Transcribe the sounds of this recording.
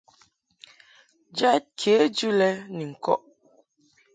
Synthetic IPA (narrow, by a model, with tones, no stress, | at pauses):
d͡ʒa˦t̚kʰe˨˦d͡ʒʉ˦lɛ˦ni˨ŋ̩˨kɔ̰˦ʔ